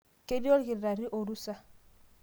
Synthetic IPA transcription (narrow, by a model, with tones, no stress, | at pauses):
ke˦do˦lkɪ˨ɾa˨ɾi˦ʔo˨ɾu˦sa˦